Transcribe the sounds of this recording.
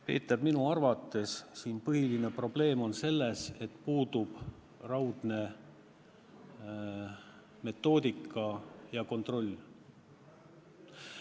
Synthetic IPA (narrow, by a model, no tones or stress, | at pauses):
pe̞̰ːt̪ːˑɑbminuɑrvɑt̪ːˑe̞ssiːnpɤhiline̞pro̞b̥le̞ːmo̞nse̞lːe̞se̞t̪puːd̪ub̥ | rɑwd̪̥ne̞ | me̞t̪ːˑo̞ːd̪̥ʲikːˑɑjɑko̞nt̪ro̞lʲː